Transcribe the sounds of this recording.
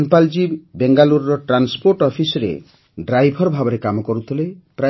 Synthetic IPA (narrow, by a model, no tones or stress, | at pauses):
npald͡ʒibeŋɡaluɾɾɔʈɾanspoɾʈɔpʰisɔɾḛ | ɖɾajbʱɔɾɔbʱabɔɾekamɔkɔɾut̪ʰilepɾa